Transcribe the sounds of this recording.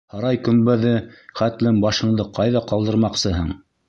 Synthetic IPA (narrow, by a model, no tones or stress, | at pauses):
hɑɾɑjkɵ̆mbæðɘχæt̪lɘmbɑʃɤ̆ɴd̪ɤqɑjðɑqɑlˠd̪ɤ̆ɾmɑqsɤɦɤɴ